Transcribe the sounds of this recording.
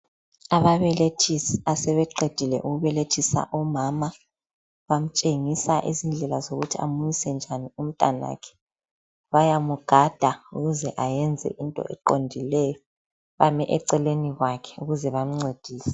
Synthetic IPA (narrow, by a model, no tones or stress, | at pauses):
aβaβɛletʰisasɛβɛǃed̥ʱilɛ̰ʔuɣuβɛletʰisa̰ʔumama | βam̩t͡ʃʼeŋisaʔḭzind͡ɮʱɛlazoɣutʰia̰mujisɛnd͡ʒʱanium̩tʼana̰kʰɛ̥ | βajamuɡ̥ʱad̥ʱauɣuzɛʔajɛnd͡zʱɛ̰ʔintʼɔ̰ʔɛ̰ǃondʱilɛjɔ | βamɛʔɛǀɛleniɣwakʰɛ̥uɣuzɛβam̩ŋ͡ǀed̥ʱiːsɛ̥